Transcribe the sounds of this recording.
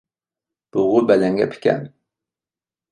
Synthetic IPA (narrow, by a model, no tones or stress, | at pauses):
b̥ʊʁʊbɛlɛŋɡʲɛ̰pʰi̥kʲɛ̰n